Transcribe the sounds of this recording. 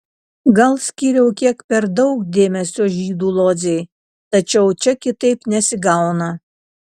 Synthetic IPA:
ɡɐlˠsʲkʲiːɾʲɛʊkʲiɛkpʲɛɾd̪ɒʊkd̪ʲeːmʲɛsʲoːʒʲiːd̪uːlˠoːzʲɛɪ | t̪ɐt͡ʃʲɛʊt͡ʃʲɛkʲɪt̪ɐɪpnʲɛsʲɪɡɐˑʊnɐ

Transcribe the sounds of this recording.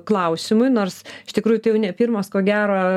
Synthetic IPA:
klˠɐʊsʲɪmʊɪnoːrsɪʃt̪ʲɪkɾuːjʊt̪ɐɪjɛʊnʲɛpʲiːrmoskoːɡʲæːɾoː

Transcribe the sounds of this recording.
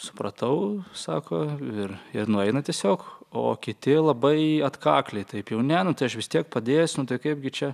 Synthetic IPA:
sʊ̥pɾɐt̪ɐʊsɑːkʰoːɪrɪɾnʊɛɪnɐt̪ʲiɛsʲoːko̰ːkʲɪt̪ʲɪlˠɐbɐɪɐt̪kɑːklʲeɪt̪ɐɪpjɛʊnʲæːnʊt̪ɐɪɐʃʋʲɪst̪ʲiɛk̚pɐd̪ʲeːjɛsʲnʊt̪ɐɪkɐɪp̚ɡʲɪt͡ʃʲɛ

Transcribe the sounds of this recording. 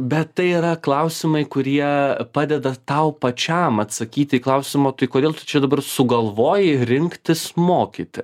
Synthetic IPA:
bʲɛt̪t̪ɐɪiːɾɐklˠɐʊsʲɪmɐɪkʊɾʲiɛpɑːd̪ʲɛd̪ɐt̪ɐʊpɐt͡ʃʲɛmɐt̪sɐkʲiːt̪ʲiːklˠɐʊsʲɪmoːt̪ɐɪkoːd̪ʲeːlˠt̪ʊ̥t͡ʃʲɛd̪ɐbɐrsʊɡɐlˠʋoːjɪɾʲɪŋkt̪ʲɪsmoːkʲḭːt̪ʲɪ

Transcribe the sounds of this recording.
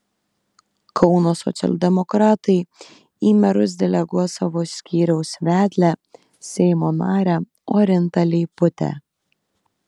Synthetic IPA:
kʰɒʊnoːsɔ̰t̪sʲɛ̰lʲˠd̪ʲɛmɔkɾɑːt̪ɐɪ | iːmʲɛɾʊs̬d̪ʲɛlʲɛɡuɔsɑʋoːsʲkʲiːɾʲɛʊsʋʲæːd̪ʲlʲæ | sʲɛɪmoːnɑːɾʲæ | oːɾʲɪnt̪ɐlʲɪɪpʊt̪ʲɛ̰

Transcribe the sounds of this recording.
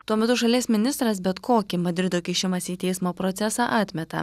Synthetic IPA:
t̪uɔmʲɛt̪ʊʃɐlʲiɛsmʲɪnʲɪst̪ɾɐsbʲɛt̪koːkʲɪmɐd̪ʲɾʲɪd̪oːkʲɪʃʲɪmɐsiːt̪ʲɛɪsmoːpɾɔt̪sʲɛsɑːʔɑːt̪ʲmʲɛt̪ɐ̰

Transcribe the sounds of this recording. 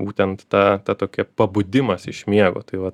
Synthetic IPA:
buːt̪ʲɛnt̪t̪ɑːt̪ɑt̪oːkʲɛpɐbʊd̪ʲɪmɐsɪʃmʲiɛɡo̰ːt̪ɐɪʋɐt

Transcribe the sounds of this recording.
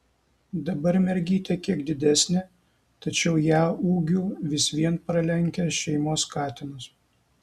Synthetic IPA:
d̪ɐbɐɾmʲɛɾʲɡʲiːt̪ʲekʲiɛɡd̪ʲɪd̪ʲæsʲnʲɪ | t̪ɐt͡ʃʲɛʊjæːuːɡʲuːʋʲɪsʋʲiɛnpɾɐlʲɛŋʲkʲɛʃʲɛɪmoːskɑːt̪ʲɪnʊs

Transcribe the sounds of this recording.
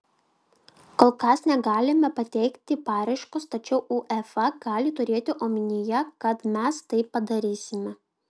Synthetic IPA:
koːlˠkɐsnʲɛɡɑːlʲɪmʲɛpɐt̪ʲɛɪkt̪ʲɪpɑːɾɐɪʃkost̪ɐt͡ʃʲɛʊʔuːʔɛfɐɡɑːlʲɪt̪ʊɾʲeːt̪ʲɪʔoːmʲɪnʲɪjɛkɐt̪mʲɛst̪ɐɪpːɐd̪ɐɾʲiːsʲɪmʲɛ

